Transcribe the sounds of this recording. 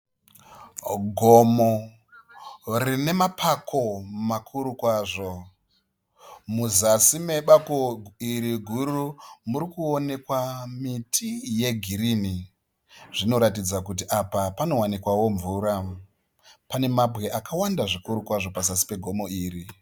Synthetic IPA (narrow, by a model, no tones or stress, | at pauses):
ɡʱo̞mo | rine̞mapʰakʰo̞makʰuɾukwaːʐo̞ | muzasime̞ɓakoiɾiɡʱuɾumuɾikuone̞kwamitʰije̞ɡʱiɾini | ʐ̥ino̞ɾatid͡zakut̬iʔapapano̞wanikwawo̞ɱvuɾa | pane̞mabʱɣe̞ʔakawandaʐikuɾukwaʐo̞pazasi̥pe̞ɡʱo̞mo̞iːri